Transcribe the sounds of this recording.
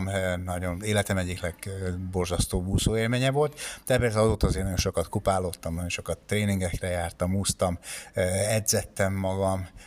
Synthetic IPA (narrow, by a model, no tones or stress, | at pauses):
mnɒɟo̞neːlɛt̪ɛmɛɟːiklɛɡbo̞rzɒst̪oːbuːsoːeːlmeːɲɛvo̞lt̪d̪̥ɛpɛːld̪ɛɒzoːt̪ːɒzeːrnɒjo̞nʃo̞kɒt̪kupaːloːt̪ːɒmnɒjo̞nʃo̞kɒt̪ːreːniŋɡɛkrɛjaːrt̪ɒmuːst̪ɒm | ɛd̪zɛt̪ːɛmːɒɡɒm